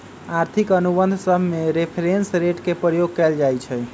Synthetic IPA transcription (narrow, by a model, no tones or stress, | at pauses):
aɾt̪ʰikənubənd̪ʱsəbʱmeɾepʰɾensɾeʈkepɾəjoɡ̚kɛld͡ʒajt͡ʃʰɛ